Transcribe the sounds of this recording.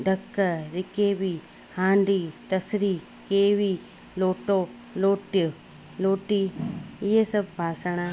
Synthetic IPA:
ɖʱɐkːɐɾɪkeːbi | hãːɳɖiːt̪ɐsɾiː | keːʋiː | loːʈoː | loːʈj | loːʈiːɪɦesɐbpaːsəɽ̃aː

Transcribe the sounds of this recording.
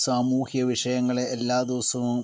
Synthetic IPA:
saːmuːhjɐʋiʂɐjɐŋːɐɭeʔːlːaːd̪iʋɐsɐʋum

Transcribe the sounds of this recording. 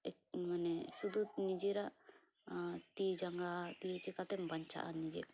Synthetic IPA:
manɛsud̪unid͡ʒeɾaʔ | t̪id͡ʒaŋɡat̪ijet͡ʃikat̪ɛmbʱaɲt͡ʃʰa̰ʔanid͡ʒḛ

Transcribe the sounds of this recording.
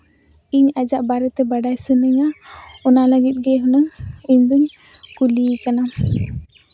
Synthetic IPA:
iɲad͡ʒaʔbaɾɛt̪ɛbaɖajsənɛɲaɔnaləɡit̪̚ˀɡɛɦunəŋiɲd̪uɲ | kulikana

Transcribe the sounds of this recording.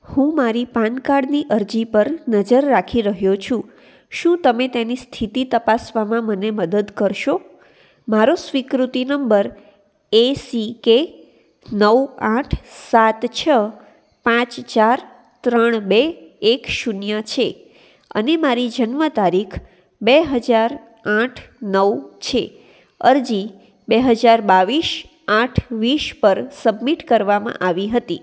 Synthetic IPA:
hũmaɾipankaɖniʔəɾd͡ʒipəɾnəd͡ʒəɾːakʰiɾəɦjot͡ʃʰũ | ʃũt̪əmet̪enist̪ʰit̪it̪əpasʋamãməneməd̪əd̪kəɾʃo | maɾosʋikɾut̪inəmbəɾ | esike | nəwãʈʰsat̪t͡ʃʰə | pãt͡ʃt͡ʃaɾ | t̪ɾəəɳ̃beːkʃunjat͡ʃʰe | ə̰nemaɾid͡ʒənmət̪aɾikʰ | beɦəd͡ʒaɾ | ãʈʰnəʋt͡ʃʰe | əɾd͡ʒi | beɦəd͡ʒaɾbaʋiʃ | ãʈʰʋiʃpəɾsəbmiʈkəɾʋamã̰ʔaʋiɦət̪i

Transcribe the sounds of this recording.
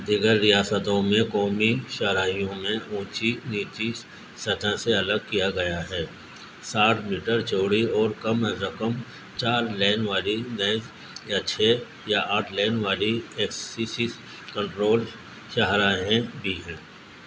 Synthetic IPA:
d̪ʱɪɡəɾɾijaːsət̪õmẽkɔːmiʃɐɦɾaːijõmẽũːt͡ʃiniːt͡ʃi | sɐd̪ʱaseɐləɡ̚kijaɡɐjaɦɛː | saːʈʰmiːʈəɾt͡ʃoːɽiɔːɾkɐmɾɐkəm | t͡ʃaːɾlɛːnʋaːlinɛːz | jat͡ʃʰe | jaʔaːʈʰlɛːnʋaːlieːksisis | kə̃ɳʈɾoːl | ʃɐɦɾaːɦẽbʱiɦɛ̃ː

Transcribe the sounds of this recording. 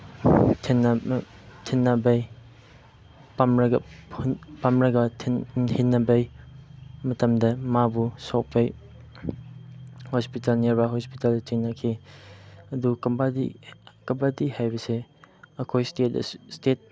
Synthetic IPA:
tʰin | tʰinːabej | pamɾɐɡɐ | pamɾɐɡɐtʰhinːɐbej | mɐtɐmdɐmabusɔk̚pʰej | hɔspitɐlneɾbaɦɔspitalt͡ʃiŋnakʰi | ɐdukɐbadikɐbadihajbɐseɐkʰojstetstet̚

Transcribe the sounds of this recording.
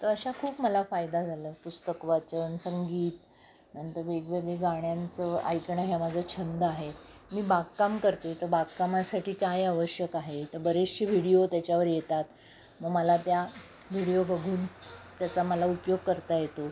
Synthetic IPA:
t̪əɾəɕakʰuːpməlafajd̪ad͡zʱaləːpust̪əkʋat͡ɕəɳsəŋɡiːt̪ | nənt̪əɾʋeɡʋeɡɭeɡaɽjant͡səa̰jkɳəɦjamad͡zʱəːt͡ɕʰənd̪əaɦe | miːbaɡkamkəɾt̪et̪əɾbaɡ̚kamasaʈʰiːkajaʋəɕjəkaɦet̪əɾbəɾesɕiʋ̤ʱiɽijot̪jat͡ɕjaʋəɾjet̪at̪ | məɡməlat̪ja | ʋ̤ʱiɽijobəɡʱuːnt̪jat͡saməlaupjoɡkəɾt̪ajet̪o

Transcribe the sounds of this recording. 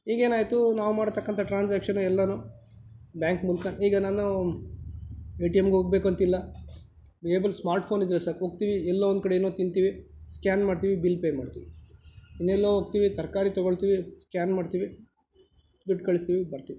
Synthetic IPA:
ɦiːɡe̞ːnaːjt̪unaːʋumaːɽt̪ɐkːɐnt̪ʰɐʈɾaːnsaːkʂɐnuɛlːɐnuː | bjaːŋkmulkɐɦiːɡɐnaːnu | eːʈijemɡeɦoːɡbe̞ːkuɐnt̪ilːɐ | beːbɐlsmaːɾʈpʰoːnid̪ɾesɐɾɦoːɡt̪iʋiɛlːoːond̪ukɐɽeːnot̪int̪iːʋiskʲaːnmaːɖt̪iʋibilːpeːmaːɖt̪iʋiinːɛlːoːɦoːɡ̚t̪iːʋit̪ɐɾkaːɾit̪ɔɡoɭt̪iːʋiskʲaːnmaːɖt̪iʋi | biʈkɐɭist̪iʋibɐɾt̪iːʋi

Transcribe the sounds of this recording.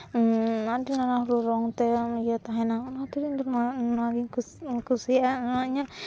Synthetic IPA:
aʈinanaɦuluɾɔŋt̪ɛjɔt̪aɦɛnanat̪uɾint̪ɔnnaɡi | kusianaiɲaʔ

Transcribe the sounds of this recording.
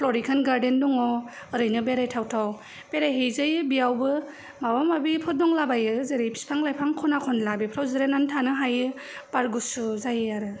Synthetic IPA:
pʰlɔɾikʰanɡaɾdendɔŋɔ | ɯɾɯjnɯbeɾajtʰawtʰaw | b̥eɾajɦejzajɯbiawbɯ | mawamabipʰɔt̚dɔŋlabajɯzeɾipʰi̥spʰaŋlajpʰaŋkʰɔnakʰɔnlabipʰɾawzɯɾenantʰanɯɦajɯ | b̥aɾɡusuzajɯaɾɯ

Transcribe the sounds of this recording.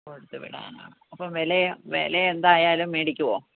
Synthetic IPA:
koɽut̪ːɨʋḭɽa̰ːna̰ːɳɨɐpːɐmʋeleʋḛleend̪aːjaːlumːeːɽikʲːuʋoː

